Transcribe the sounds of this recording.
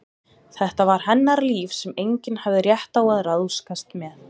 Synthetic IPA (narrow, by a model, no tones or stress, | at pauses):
θɛht̪avaɾ̥hɛnːaɾliːfsɛmejɲcɪnhavðɪrjɛht̪awaðraðskast̪mɛð